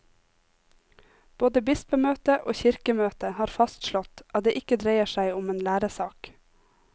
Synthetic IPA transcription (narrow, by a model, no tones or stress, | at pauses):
b̥oːd̪əbɪspəmøːt̪əʔo̰ːçɪɾkəmøːt̪əhɑːɾfɑst̪ʃlɔt̪ʔɑt̪̚d̪eːʔɪkəd̪ɾeɪəʃæɪʊmeːnlæːɾəsɑːk